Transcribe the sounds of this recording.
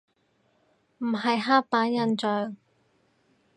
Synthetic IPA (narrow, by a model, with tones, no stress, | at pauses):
m̩˨˩ɦɐ˨jɦaː˥k̚paː˨˥njɐ˨nt͡ʃœː˨ŋ